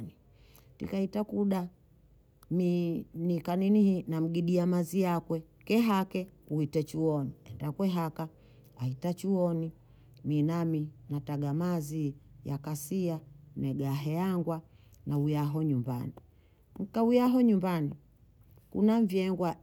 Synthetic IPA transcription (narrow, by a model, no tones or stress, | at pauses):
ni | tḭkaitakuɗa | minikaninihinam̩ɡiɗiamazijakwɛ | kɛɦakɛkuhitɛt͡ʃuɔniɛndakwɛɦaka | aitat͡ʃuɔni | minaminataɡamazijakasianɛɡaɦɛaŋɡwa | naujaɦɔɲumba̰ni | m̩kaujaɦɔɲumbani | kṵnaɱvjɛŋɡwa